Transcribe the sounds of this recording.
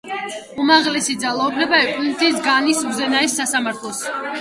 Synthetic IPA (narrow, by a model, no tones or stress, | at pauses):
umaʁlɛsid̪zalˠaubʰnɛbaɛkʼunit̪ʰʼisɡanisuzɛnaɛsːasamaɾt̪ʰlˠɔs